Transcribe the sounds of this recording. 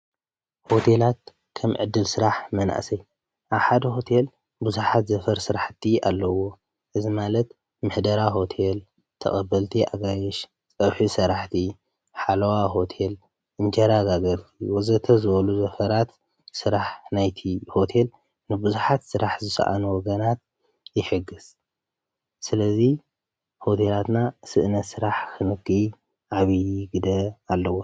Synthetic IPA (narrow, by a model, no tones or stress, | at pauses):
ho̞t̪ʰelat̪̚ | kʰɐmʕɨd̪ːɨlsɨɾaħmɐna̰ʔsɐj | ʔaβħad̪ɐɦo̞t̪ʰel | bɨzuħat̪zɐfɐɾsɨɾaħt̪ʰia̰lːɐwo̞ | ʔɨzimalɐt̪ | mɨħd̪ɐɾaɦo̞t̪ʰel | t̪ʰɐ̰χʼɐbːɐlt̪ʰiʔaɡajɛʃ | t͡sʼɐβħisɐɾaħt̪ʰi | ħalɐwaɦo̞t̪ʰel | ʔɨnd͡ʒɐɾaɡaɡɐɾt̪ʰiwɔzɐt̪ʰɐzɨβɐluzɐfɐɾat̪ | sɨɾaħnajt̪ʰiho̞t̪ʰe̞l | nɨbɨzuħat̪sɨɾaħzɨsɐ̰ʔa̰nuwɔɡɐnat̪̚ | jɪħɨɡːɨz̥ | sɨlɐzi | ho̞t̪ʰe̞lat̪nasɨʔɨnɐt̪sɨɾaħkʰɨnɨɡɨ | ʔaβiɡɨd̪ɐalːɐwo